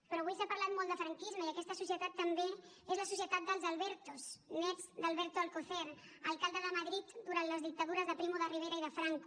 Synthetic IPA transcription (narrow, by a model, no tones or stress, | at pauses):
pɾɔβujsapəɾlat̪mɔlˠəfɾəŋkizməiəkɛst̪əsusiət̪at̪ːəmbe | ezləsus̬iət̪at̪̚d̪əlˠzəlˠβɛɾt̪osmɛzd̪əlˠβɛɾt̪oəlkoθɛɾəlˠkalˠd̪əðəməðɾit̪d̪uɾant̪ləzðik̚t̪əðuɾəzðəpɾimoðəriβ̞eɾəiðəfɾaŋk